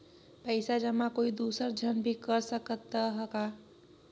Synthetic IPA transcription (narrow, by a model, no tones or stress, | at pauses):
pəɪsad͡ʒəmakoid̪usəɾd͡ʒʱənbʱikəɾsəkət̪ːəɦəka